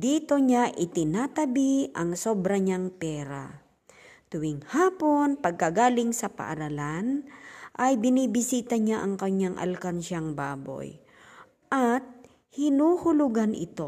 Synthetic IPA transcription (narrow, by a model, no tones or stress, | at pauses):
d̪iːt̪o̞ɲaʔɪt̪ɪnaːt̪ɐbiʔɐŋso̞bɾɐɲaŋpɛːɾa̰ | t̪ʊwɪŋhaːpo̞npɐɡ̚kɐɡaːlɪŋsɐpɐ̰ʔa̰ɾalanʔɐjbɪniːbɪsiːt̪ɐɲaʔɐŋkɐɲːaŋʔɐ̰lkanʃaŋbaːbo̞̰j | ʔɐt̪̚ | hɪnuːhʊlʊɡanʔɪ̰t̪o̞